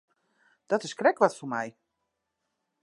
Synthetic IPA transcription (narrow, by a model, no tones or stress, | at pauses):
d̥ɔtɪskrɛkʋɔtfumɛj